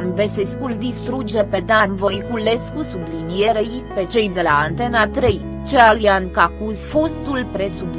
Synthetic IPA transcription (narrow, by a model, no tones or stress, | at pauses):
nveseskuld̪ist̪ɾud͡ʒepe̞d̪anvo̞jkuleskusublinijeɾej | pe̞t͡ʃe̞jd̪e̞laːnt̪e̞nat̪ɾej | t͡ʃealiankakuzfo̞st̪ulpɾesub